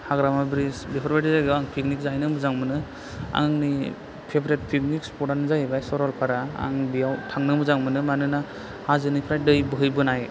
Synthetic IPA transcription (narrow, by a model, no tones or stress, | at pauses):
haɡɾamabɾisbepʰɔɾbaʈizajɡɯaŋpʰiknik̚zajnɯmɯzaŋmɯnɯ | a̰ŋɯŋni | pʰebɾet̚pʰik̚nikspʰɔʈanɯzajbajsɔɾɔlpʰaɾaa̰ŋbijawtʰaŋnɯmɯzaŋmɯnɯmanɯna | hazɯnipʰɾaj̚dɯjbɯɦɯjbɯnaj